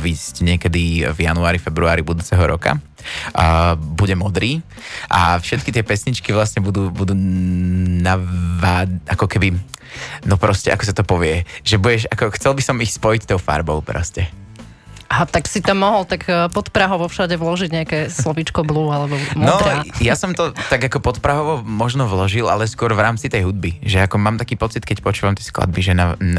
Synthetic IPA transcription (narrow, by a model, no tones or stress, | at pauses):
ʋiːscɲɪɛkɛd̪ivjanuaːɾifɛbɾuaːɾibud̪uːt͡sɛɦɔɾɔka̰ | buɟɛmɔd̪ɾiː | ʔafʃɛt̪kit̪ɪɛpɛsɲit͡ʃkiʋlasɲɛbud̪uːbud̪uː | naʋaːakɔkɛbi | nɔpɾɔscɛʔa̰kɔsat̪ɔpɔʋɪɛʒɛbuɟɛʃakɔxt͡sɛlbisɔmixspɔjict̪ɔʊfa̰ɾbɔʊpɾɔ̰scɛ | aɦat̪aksit̪amːɔɦɔlt̪akpɔt̪pɾaɦɔʋɔfʃaɟɛʋlɔʒiɟɲɛakɛːslɔʋit͡ʃkɔbluːalɛbɔmnɔd̪ɾajasɔmt̪ɔt̪aɡakɔpɔt̪pɾaɦɔʋɔmɔʒnɔʋlɔʒilʔa̰lɛskʊɔɾvɾaːmt͡sit̪ɛjɦud̪̚biʒɛakɔmaːmt̪akiːpɔt͡sit̪kɛcpɔt͡ʃuːʋamt̪ɛskla̰d̪̚biʒɛnan